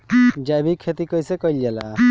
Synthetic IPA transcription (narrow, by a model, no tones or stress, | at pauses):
d͡ʒajbikʰet̪ikɔjsɛkɔjld͡ʒala̰